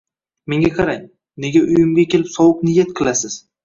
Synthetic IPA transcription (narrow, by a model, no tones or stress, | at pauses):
me̞ŋɡʲaqʰɑɾaŋ | ne̞ɡʲaʔʊjɪmɡʲakʲʰe̞lɪpsɒwɨq̚nɪjat̪̚qʰɨlˠasɪz̥